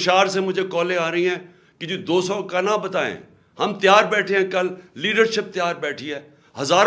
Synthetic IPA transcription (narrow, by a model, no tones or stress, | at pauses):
ʃaːɾsemʊd͡ʒʱekɔːlẽaːɾəiɦɛ̃ː | kɪd͡ʒoːd̪oːsɔːkɐnabɐt̪aːḛ̃ː | hɐmt̪ɪjaːɾbɛːʈʰẽɦɛ̃kɐlːiːɖəɾʃɪp̚t̪ɪjaːɾbɛːʈʰiɦɛː | ɦɐzaːɾ